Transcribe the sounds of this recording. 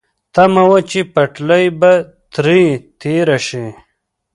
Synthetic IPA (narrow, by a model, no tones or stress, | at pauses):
t̪ɐmɐwɐt͡ʃipɐʈlɐjbɐt̪ɾit̪ʰeːɾɐʂi